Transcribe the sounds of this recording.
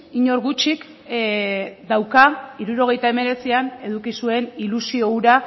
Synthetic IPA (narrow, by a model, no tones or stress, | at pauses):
iɲo̞ɾɣut͡ʃik | d̪awkaiɾuɾo̞ɣ̞e̞jt̪aeme̞ɾe̞t͡siane̞ðukisue̞nilusio̞uɾa